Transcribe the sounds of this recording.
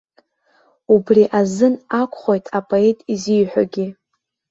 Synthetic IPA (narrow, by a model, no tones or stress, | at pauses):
ubriʔazɨnakʷʰʼχʷojtʰʼapʼo̞e̞tʼizijħʷᶣa̰ɡʲi